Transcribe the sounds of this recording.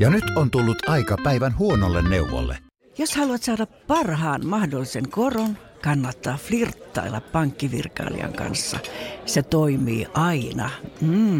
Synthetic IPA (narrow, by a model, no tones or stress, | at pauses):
jɑnyt̪ont̪ulːut̪ɑikɑpæiʋænhuonolːenneuʋo̰lːḛ | joshɑluɑt̪sɑːdɑppɑrhɑːnmɑhdolːiseŋkoron | kɑnːɑt̪ːɑːflirt̪ːɑ̰ilːɑppɑŋkːiʋirkɑ̰ːlḭɑ̰ŋkɑ̰nsːɑ̰set̪oimḭːʔɑinɑm̩ː